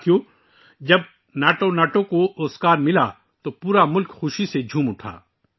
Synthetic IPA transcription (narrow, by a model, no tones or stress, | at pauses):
joː | d͡ʒɐb̚ | naːʈonaːʈõkooːskaːɾmɪla | t̪opuːɾamʊlkxʊʃised͡ʒʱũːmʊʈʰa̰ː